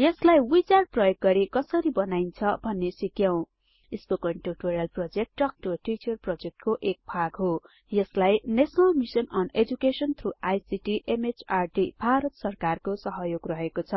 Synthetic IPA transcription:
jʌslajwit͡saɽ̚prʌjoɡːʌɾikʌsʌɾibʌnajnt͡sʰʌbʱʌnːesikjaw̃ | eskokʌɳʈoʈoɾjalprod͡zek̚ʈːʌk̚ʈoʈit͡ʃʌrprod͡zek̚ʈkoʔek̚bʰʱaɡɦo | jʌslajnesʌnʌlmisʌnʌned͡zukesʌnt̪ʰɾuajsiʈiʔemet͡sarʈibʱaɾʌt̪sʌrkarkosʌɦʌjoɡrʌɦekot͡sʰʌ

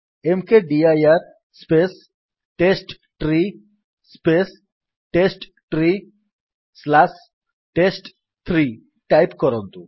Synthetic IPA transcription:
emkeɖiajaɾ | spes | ʈesʈ | ʈɾi | spes | ʈesʈ | ʈɾi | slas | ʈesʈ | t̪ʰɾi | ʈajpkɔɾɔnt̪u

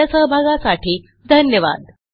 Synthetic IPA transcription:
əsəɦbʱaɡasaʈʰiː | d̪ʱənjəʋa̰d̪̚

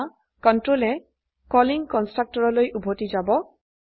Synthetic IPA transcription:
kɔntɹolɛ | kɔliŋkɔnstɹak̚tɔɹɔlojʔubʱotid͡ʒabɔ

